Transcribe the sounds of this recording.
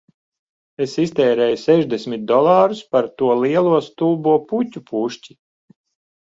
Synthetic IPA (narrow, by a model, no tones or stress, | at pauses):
esist̪ɛːɾɛːjusɛʒd̪esʲmʲit̪̚d̪ɔlˠɑːɾuspaɾt̪uɔlˠiɛlˠuɔst̪uːbuɔputʲupʰuʃci